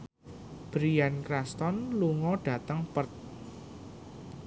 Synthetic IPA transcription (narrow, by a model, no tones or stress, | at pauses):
b̥ɾiankrast̪ɔnluŋɔɖ̥ä̤t̪əŋpərt̪̚